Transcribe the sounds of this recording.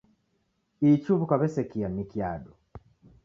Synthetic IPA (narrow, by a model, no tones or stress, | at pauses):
icuβukaβesekijamikjaːdo